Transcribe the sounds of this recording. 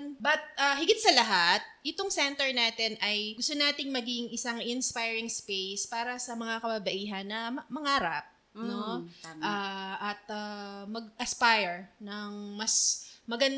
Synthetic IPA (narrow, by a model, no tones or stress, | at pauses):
nbɐt̪̚ʔaɦɪɡɪt̪̚sɐlɐɦat̪̚ʔɪt̪oŋsɛnt̪ɛɹnaːt̪ɪnʔɐjɡʊst̪onaːt̪ɪŋmɐɡɪŋʔɪsaŋʔɪnspajɹɪŋspejspaːɾɐsɐmɐŋakɐbɐbɐʔiːɦɐnːɐmɐŋaːɾɐp̚ | no̞ʔaːʔɐt̪̚amɐɡ̚ʔɐspajɛɹnɐŋmɐsmɐɡɐn